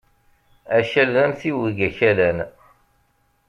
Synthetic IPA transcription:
æʃælðænθiwiɡæçælæn

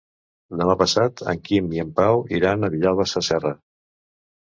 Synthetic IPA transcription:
d̪əmapəsat̪ʰə̰ŋkimiəmpawiɾanəβiʎalˠβəsəsɛrə

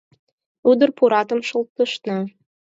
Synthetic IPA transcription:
ud̪ərpuɾɑt̪ɤ̆mʃə̆lt̪ːəʃnɤ̆

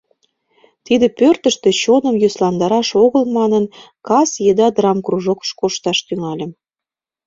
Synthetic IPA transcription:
t̪id̪ĕpørt̪ə̆ʃt̪ĕt͡ɕonə̆mjyslɑnd̪ɑɾɑʃoɣəlmɑnənkɑsjed̪ɑd̪rɑmkruʒokʃkoʃt̪ɑʃt̪yŋɑlʲə̆m

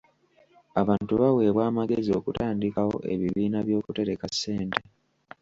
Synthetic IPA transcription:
aβaːntuβawe̞ːβwaːmaɡe̞zio̞kutaːndikawo̞̰ʔe̞̰βiβiːnaβjo̞ːkute̞ɾe̞kasːe̞ːnte̞

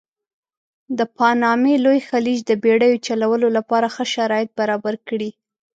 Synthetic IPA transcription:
d̪əpɑnɑmelojxalid͡ʒd̪əbeɽajot͡ʃalawəlolapɑɾaxəʃaɾɑjɪt̪̚baɾɑbaɾkɽi

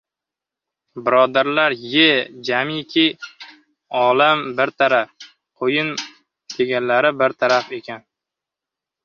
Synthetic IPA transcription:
bɪɾɒd̪aɾlaɾjed͡ʒamikʲʰi | ɒlambɪɾt̪ʰaɾaf | qʰojɪn | d̪̥ʰe̞ɡʲanlaɾɪbɪɾt̪ʰaɾafe̞kʲʰan

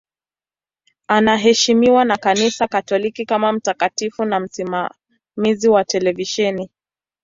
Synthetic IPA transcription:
anaɦɛʃimiwanakanisakatɔlikikamam̩takatifunam̩sima | miziwatɛlɛviʃɛni

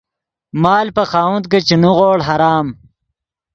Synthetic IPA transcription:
maːlpɐxaːwunt̪̚ket͡ɕinuɣoːɽɦɐɾaːm

